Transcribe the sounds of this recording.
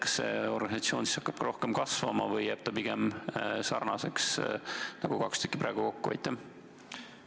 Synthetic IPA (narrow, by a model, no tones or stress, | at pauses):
kɑ̥sːe̞o̞rɡ̥ɑnʲisɑt̪sio̞ːnsi̥sɑkːɑb̥kɑɾo̞hkemkɑsvɑmɑvɤjːæːb̥̚t̪ɑpiɡ̥emsɑ̰rnɑse̞ksnɑɡ̥ukɑkst̪ykːˑipɾæ̰ːɡ̥uko̞kːuɑ̰jt̪ːˑæ